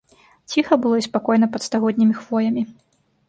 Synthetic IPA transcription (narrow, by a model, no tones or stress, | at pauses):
t͡sʲixɐbɨlˠɔspakɔjnɐpɐt̪st̪aɣɔd̪ʲnʲimʲixvɔjɐmʲi